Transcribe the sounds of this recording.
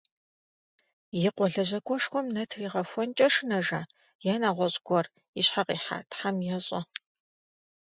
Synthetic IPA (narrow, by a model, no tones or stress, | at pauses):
jɪqʷɔɮɐʑɐkʷʼɔʂxʷɔmnɐtʰriːʁɐfʷɔnt͡ʃʼɐʂɨnɐʒaː | jɛnaːʁʷɔɕʼɡʷɔr | ɪɕħaqiːħa̰ːtʰħamjɛɕʼɐ̰